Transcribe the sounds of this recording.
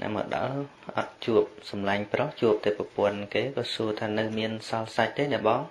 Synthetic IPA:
nɛ̰ʔmə̰ɗɑ̰ | ʔɑ̰t̪̚t͡ɕuəp̚sɑmlaɲproht͡ɕuəp̚t̪eːprɑpŏənkeːɓɑːsuət̪ʰaːnɨwmiənsɑlsac̚t̪eːnɛəɓɑː

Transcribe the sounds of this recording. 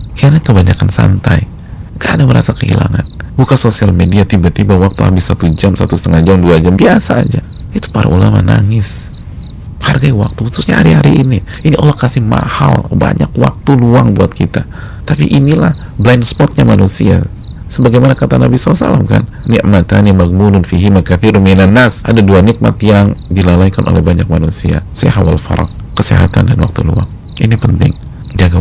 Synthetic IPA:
kiaɲakəbaɲakansa̰nt̪aj | ŋɡaːdaməɾa̰sakəḭla̰ŋa̰nbukasosialmediat̪ibat̪ibawak̚t̪uha̰bɪsːat̪ud͡ʒamsat̪usə̥t̪əŋad͡ʒamduad͡ʒambiasaːd͡ʒa | it̪u̥paɾa̰ulama̰na̰ŋɪs | harɡawak̚t̪uhususɲa̰ha̰ɾihaɾiini | iniʔolahkasɪhma̰ha̰lba̰ɲakwa̰k̚t̪uluaŋbuat̪̚kʰit̪a | t̪apiʔinilah | blaɪnspɔt̪̚ɲamanusia̰ | səbaɡajmanakat̪anabisalasa̰la̰mka̰n | nɪʔmat̪animaɡ̚mulʊnfiɦimakaθiɾʊnminanːasʔadaduanɪk̚ma̰t̪jaŋdilalajkanʔo̰lɛhbaɲak̚manusia̰saɦawalfa̰ɾa̰k̚ | kəsḛɦa̰t̪andanwa̰k̚t̪ulṵa̰ŋ | ʔinipənt̪ɪ̰ŋ | d͡ʒaɡa

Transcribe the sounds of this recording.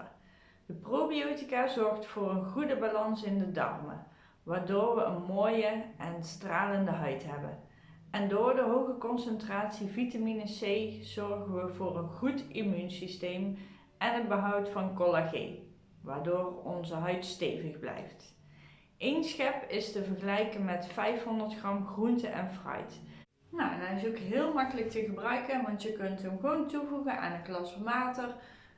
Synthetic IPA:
d̥əprowbiotikaːzɔɹχtfʊːrənɣudəbalɑnsɪndədɑ̰rmə̰ | ʋaːɹdoːɹʋəənmoːjəʔɛnstraːləndəɦœɥtɦɛbə̰n | ɛndʊːɹdəɦowɣəkɔnsəntraːtsivitaminəsejz̥ɔɹɣənʋəvʊːrənɣutimynsistejm | ɛnɦədbəɦʌwtfɑnkolaɣḛj | ʋaːɹdoːrɔnzəɦœɥtstḛjvəɣblɛ̰jft | ʔejnsxɛpɪstəvəɹɣəlɛjkənmɛtfɛjfɦɔndəɹtxrɑmxruntəʔɛ̰nfrœ̰ɥt | nowɛ̰nɛɪsokɦɪːlˠmɑkələk̚təɣəbrœɥkənʋɑntjəkɵntɦəmχʋowntuvuɣəna̰ːnənklɑsʋəʋaːtər

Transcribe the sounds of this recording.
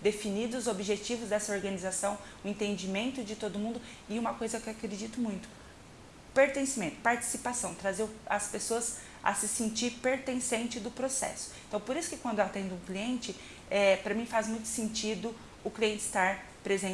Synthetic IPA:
d̪efinid̪ʊzobiʒet͡ʃivʊzd̪ɛsɐoɾɡɐnizasɐ̃w̃ | ʊẽnt̪ẽnd͡ʒimẽnt̪ʊd͡ʒɪt̪od̪ʊmũnd̪ʊ | ɪũmɐkojzɐkewakɾɾed͡ʒit̪ʊmũj̃t̪ʊ̥ | peɾt̪ẽsimẽnt̪ʊ̥paɾt͡ʃi̥sipasɐ̃w̃t̪ɾazeɾʊɐspesoɐs | ɐ̰sɪsĩnt͡ʃiɾpeɾt̪ẽsẽnt͡ʃɪd̪ʊpɾosɛ̰sʊ̥ẽt̪ɐ̃w̃poɾisʊ̥kɪkwɐ̃nd̪ʊat̪ẽnd̪ʊũkliẽnt͡ʃɪ | ɛpɾɐmĩfazmũj̃t̪ʊ̥sẽnt͡ʃid̪ʊ | ʊkliẽnt͡ʃɪst̪aɾ | pɾezẽ

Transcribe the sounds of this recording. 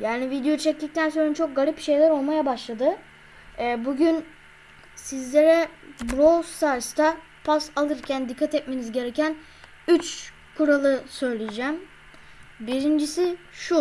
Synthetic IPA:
jaːnivid̪ejot͡ʃʰɛc̚d̪ic̚t̪ʰænsoɾant͡ʃʰo̞k̚ɡalʲipʃe̞jlʲæɾo̞lˠmajabaʃlˠad̪ɯ | ɛbuɟyn | sizlʲeɾɛbɾost̪aɾst̪ʰa | pʰasalˠɯɾcʰænd̪ikʰːat̪ɛt̪̚me̞nizɟe̞ɾecʰæn | yt͡ʃ | kʰuɾalˠɯsø̞jlʲejid͡ʒæm | biɾind͡ʒisiʃu

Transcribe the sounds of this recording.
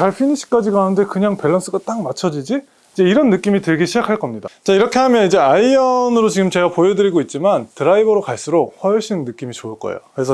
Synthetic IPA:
kaɭpʰiniɕʰi̥k͈ad͡ʑiɡaunde̞kɯɲaŋpe̞ɭːʌns͈ɯɡat͈aŋmat͡ɕʰʌd͡ʑid͡ʑi | id͡ʑe̞iɾʌnːɯk͈imitɯɭɡeɕʰid͡ʑakʰaɭk͈ʌmɲidat͡ɕaiɾʌkʰe̞ɦamjʌnid͡ʑe̞aiʌnɯɾot͡ɕiɡɯmt͡ɕe̞ɡapojedɯɾiɡoit̚t͡ɕ͈imantɯɾaibʌɾokaɭs͈uɾok̚ɸwʌɭɕ͈ʰinnɯk͈imit͡ɕoɯɭk͈ʌ̰ḛokɯɾesʰʌ

